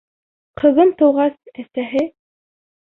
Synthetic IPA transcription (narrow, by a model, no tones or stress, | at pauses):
qʰɤ̆ðɤmt̪ɤ̆wʁɑsæsæɦɘ